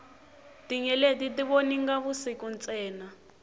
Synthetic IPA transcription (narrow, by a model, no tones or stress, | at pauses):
tiɲɛletitiβoniŋɡaβusikunt͡sʼɛːna